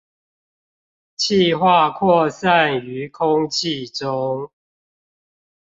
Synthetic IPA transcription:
t͡ɕʰi˥˨xwa˥˨kʰwɔ˥˨sa˥˨ny˨˦kʰʊ˦ŋt͡ɕʰi˥˨ʈ͡ʂʊ˦ŋ

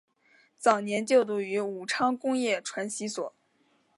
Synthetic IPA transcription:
t͡sɑ˨˩ʊnjɛ˧˥nt͡ɕjo˥˧ʊt̪̬u˥˩y˧˥u˨˩ʈ͡ʂʰɑ˥ŋkʊ˥ŋjɛ˥˩ʈ͡ʂʰwa˧˥nɕi˧˥swɔ˨˩˦

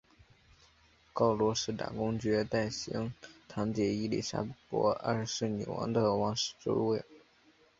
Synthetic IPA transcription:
kɑ˥˩ʊlwɔ˧˥ʂɻ̩˥˩t̪a̰˨˩kʊ˥ŋt͡ɕɥɛ˧˥t̪a˥˩ɪɕi˧˥ŋt̪ʰɑ˧˥ŋt͡ɕ̪jɛ˨˩i˥lḭ˥˩ʂa̰˥pwɔ̰˧˥a̰˥˧˩ʂɻ̩˥˩nḭ˨˩wɑ̰˧˥ŋd̪ə˧wɑ˧˥ŋʂɻ̩̥˥˩ʈ͡ʂṵ˥ɻwe˥˩ɪ

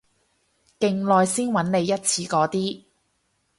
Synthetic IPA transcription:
kɪ˨ŋlɔː˨jsiː˥nwɐ˨˥nne˨˧jːɐ˥t̚t͡sʰiː˧kɔː˨˥t̪iː˥

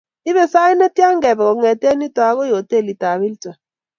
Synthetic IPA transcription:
i˦βɛ˨sa˦i˦nɛ˦tja˦ŋɡɛ˨βɛ˨kɔ˨ŋɛ˨tɛ˦ni˦ta˨˦kɔ˦jo˨te˦˨li˨ta˨βi˦ltɛ˨

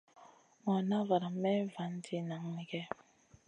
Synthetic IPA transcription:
ŋɔ˨na˦va˨ɾa˨mɛ˦va˨˦n˦ti˦na˨ŋni˦kɛ˦

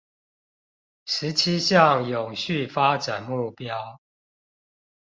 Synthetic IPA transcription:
ʂɻ̩˨˦t͡ɕʰi˦ɕjɑ˥˨ŋjʊ˨˩ŋɕy˥˨fa˦ʈ͡ʂa˨˩nmu˥˩pjɑ˦ʊ

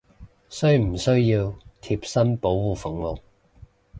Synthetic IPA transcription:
sɵ˥ɥm̩˨˩sɵ˥ɥjiː˧wt̪ʰi˧p̚sɐ˥mpo˨˥wwuː˨fʊ˨˥ŋmo˨w

